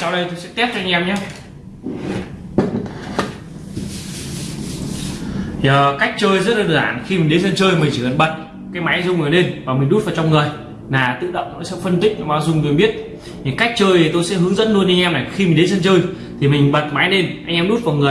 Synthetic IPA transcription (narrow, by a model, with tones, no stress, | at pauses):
sa˧wɗə˧jt̪o˧jsɛ̰˧˥t̪ɛ˦˥p̚t͡ɕɔ˧ʔa˧ŋ̟ʔɛ˧mɲaː˨˦ | zəː˨˩ka˦˥k̟̚t͡ɕəː˧jzə˦˥t̚la˨˩ɗəː˨˩ɗa̰ː˧˩nxi˧mi˨˩ŋ̟ɗe˨˦zə˧nt͡ɕəː˧jmï̟˨˩t͡ɕi˨˩kə̰˧˩nɓə˨˩t̚ | kaː˨˦jma˨˦jzʊ˧wŋ͡mʔne˧nvaː˨˩mï˨˩ŋ̟ɗu˦˥t̚va˨˩t͡ɕɔ˧ŋ͡mŋɨ˨˩əj | naː˨˩t̪ɨ̰˧˨ɗə̰˧˨wŋ͡mɔ̰˧˥jsə̰˧˥fə˧nt̪ï˥k̟̚n˧˦ɓaː˨˦wzʊ˧ŋ͡mt̪o˧jɓi˦˥ət̚ | ɲɨ˨˦ka˦˥k̟̚t͡ɕəː˧jt̪o˧jsɛ̰˧˥ɦɨ˨˦ŋzə̰˧˥nlu˧ənʔa˧jŋ̟ʔɛ˧mna˨˩jxi˧m˨˩ŋ̟ɗe˨˦nsə˧nt͡ɕəː˧j | t̪ʰi˨˩mï˨˩ŋ̟ɓə˨˩t̚ma˨˦jɗe˧nʔa˧ŋʔɛ˧mɗu˦˥t̚va˨˩wŋɨ˨˩ə